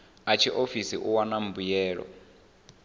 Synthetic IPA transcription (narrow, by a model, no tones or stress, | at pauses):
at͡ʃʰiʔofisiʔuwanam̩bujɛːɺɔ̰